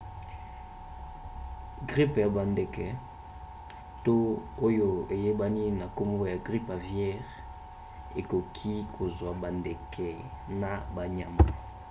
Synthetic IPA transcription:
ɡʁi˦pja˨ba˨ndɛ˨kɛ˨ | to˦o˦jo˦e˨je˦ba˦ni˦na˨ko˦mbo˦ja˨ɡʁi˦pa˨vjɛ˦ʁ | e˨ko˨kʰi˦kʰo˨zwa˨ba˨ndɛ˨kʰɛ˨na˨ba˨ɲa˨ma˨

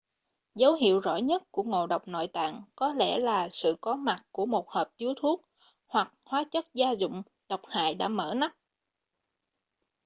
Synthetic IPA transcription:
zə˨˦wɦḭ˧˨əwzɔ̰˧˥˩jɲə˦˥t̚ku˧˩əŋo˧˨ɗə˨˩wk͡p̚no̰˧˨jt̪a̰ː˧˨ŋkɔ˨˦lɛ̰˧˩laː˨˩sɨ̰˧˨kɔ˨˦ma˨˩k̚ku˧˩əmo˨˩t̚həː˨˩p̚t̪i˨˦əwt̪ʰu˦˥ək̚ | hwa˨˩k̚hwaː˨˦t͡ɕə˦˥t̚zaː˧zʊ̰˧˨ŋ͡m | ɗə˨˩wk͡p̚ha̰ː˧˨jɗa̰ː˧˥mə̰ː˧˩na˦˥p̚

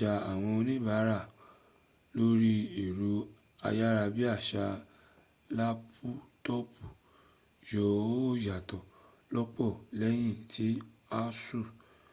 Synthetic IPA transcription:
a˨a˨w̃ɔ̃˧nĩ˦˨ba˨˦ɾa˦˨ | lo˦ɾi˦i˨ɾu˨˦ | a̰˧ja˦ɾa˧bi˦a˦˨ʃa˧ | la˦pʰu˦tɔ˦pu˨ | jɔ˨˦˨ja˨tɔ˨ | lɔ˦k͡pɔ˦˨lɛ˦j̃ĩ˦˨ti˨˦a˦su˦˨

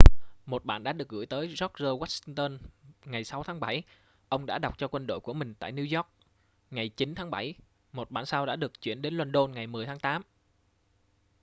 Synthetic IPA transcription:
mo˨˩t̚ɓa̰ː˧˨nɗa̰ː˧˥ɗɨ˨˩ək̚ɣɨ̰˧˥jt̪əː˨˦jzɔ˦˥k̚zəː˧wa˦˥si˧ŋt̪əː˧nŋa˨˩jsa˨˦wt̪ʰaː˨˦ŋɓa˧˩j | ʔə˧wŋ͡mɗa̰ː˧˥ɗa˨˩wk͡p̚t͡ɕɔ˧kwə˧nɗo̰˧˨jku˧˩əmï˨˩ŋ̟t̪a̰ː˧˨jni˧wzɔ˦˥k̚ | ŋa˨˩jt͡ɕi˨˦nt̪ʰaː˨˦ŋɓa˧˩j | mo˨˩t̚ɓa̰ː˧˨nsaː˧wɗa̰ː˧˥ɗɨ˨˩ək̚t͡ɕwḭ˧˩ənɗe˨˦nlwa˧nɗo˧nŋa˨˩jmɨ˨˩əjt̪ʰːŋt̪aː˨˦m

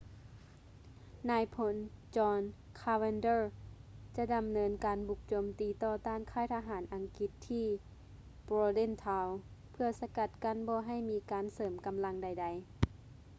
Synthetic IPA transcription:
naː˨˧˩jpʰo˧˦nt͡ɕɔː˧n | kʰaː˧we˧ndɤː˧˩t͡ɕa˧˦da˨˧mnɤː˧˥nkaː˨˦nbu˨˧˩k̚t͡ɕoː˨mt̪iː˨˦t̪ɔː˧˩t̪aː˧˩˨nkʰaː˧˥˩jt̪ʰa˧ɦaː˩˦nʔa˨˧ŋki˧t̪ʰːiː˧˥˩ | boː˧le˧˥˨nt̪ʰaː˧wpʰɯ˧ɐsa˧ka˧˩t̪̚ka˧˥˨nbɔː˧˦ɦa˧˥˩jmiː˧˦kaː˨nsɤː˨˦mka˨mla˧ŋda˧˩jda˧˦j

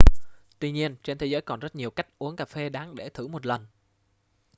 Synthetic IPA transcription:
t̪wi˧ɲi˧ənt͡ɕe˧nt̪ʰe˨˦zəː˨˦jkɔ˨˩nzə˦˥t̚ɲi˨˩əwka˦˥jk̟̚ʔu˨˦əŋkaː˨˩fe˧ɗaː˨˦ŋɗe˧˩t̪ʰɨ˧˩mo˨˩t̚lə˨˩n

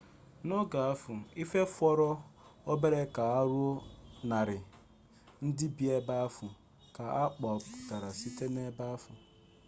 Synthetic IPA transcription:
nɔ˦ɡa˨a˦fʊ˨i˦fe˦fɔ˦ɾɔ˦o˦be˦ɾe˦ka˨a˦ɾu˦o˦na˨ɾɪ˨ | n̩˦dɪ˦bi˦e˦ba˦a˦fʊ˨ | ka˨a˦k͡pɔ˨pʊ̥˨ta˨ɾa˨si˦te˦ne˦ba˦a˦fʊ˨

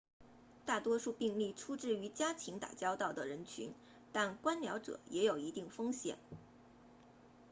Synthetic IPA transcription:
t̪a˥˩t̪wɔ˥ʂu˥˧pi˥˧ŋli˥˩ʈ͡ʂʰu˥ʈ͡ʂɻ̩˥˩y˧˥t͡ɕja˥t̪ʰi˧˥ŋt̪a̰˨˩t͡ɕjɑ˥ʊt̪ɑ˥˩ʊd̪ə˩ɻə˧˥nt͡ɕʰy̰˧˥n | t̪a˥˩nkwa˥nljɑ˧˥ʊʈ͡ʂɤ̰˨˩˦jʔɛ˧˥jo˨˩ʊi˧˥t̪i˥˩ŋfɤ˥ŋɕjɛ̰˨˩˦n

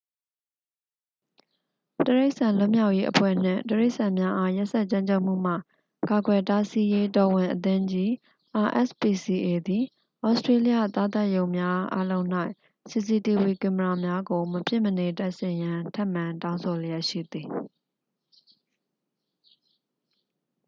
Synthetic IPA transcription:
təɹe˦ɪʔsã˨lʊ˦˨mja˦ʊʔje˦ʔəpʰwɛ̰˦˨n̥ɪ̰̃˦˨təɹe˦ɪʔsã˨mja˦ʔa˦ja˦ʔsɛ˦ʔt͡ɕã˦ɲt͡ɕʰo˦ʔm̥ṵ˦˨m̥a̰˦˨ | ka˨ɡwɛ˨ta˦si˦je˦dɔ˨wɪ̃˨ʔət̪ɪ̃˦d͡ʑi˦ | ʔa˨ʔɛ̰˦˨spi˨si˨ʔe˨d̪i˨ | ʔɔ˦ʊstɹe˦li˦ja̰˦˨t̪a˦˨t̪a˦ʔjõ˨ʊ̃mja˦ʔa̰˦lõ˦ʊ̃n̥a˦ɪʔ | si˨s̬i˨ti˨wi˨kɪ̃˨məɹa˨mja˦ɡo˨məpjɪ˦˨məne˨ta˦ʔsɪ̃˨jã˦tʰã˦˨mã˨ntã˦ʊ̃so˨lja˦ʔʃḭ˦˨d̪i˨

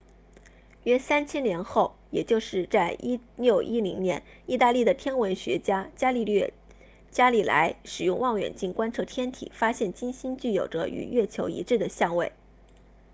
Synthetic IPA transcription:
ɥɛ˥˧sa˥nt͡ɕʰjɛ˥njɛ˧˥nxo˥˩ʊjɛ˨˩t͡ɕjo˥˧ʊʂɻ̩˥˧t͡sa˥˩ɪʔi˥ljo˥˩ʊʔi˥li˧˥ŋnjɛ̰˧˥n | i˥˧t̪a˥˧li˥˩d̪ə˩t̪ʰjɛ˥nwə˧˥nɕɥɛ˧˥t͡ɕja˥t͡ɕja˥li˥˧lɥɛ˥˩ | t͡ɕja˥li˨˥˩la̰˧˥ɪʂɻ̩˨˩jʊ˥˧ŋwɑ˥˩ŋɥɛ̰˨˩nt͡ɕi˥˩ŋkwa˥nʈ͡ʂʰɤ˥˧t̪ʰjɛ˥nt̪ʰḭ˨˩fa˥ɕjɛ˥˩nt͡ɕi˥nɕi˥nt͡ɕy˥˩jo˨˩ʊʈ͡ʂə̰˦y̰˨˩ɥɛ˥˩t͡ɕʰjo˧˥ʊḭ˧˥ʈ͡ʂɻ̩˥˩d̪ə˩ɕjɑ˥˧ŋwe˥˩ɪ

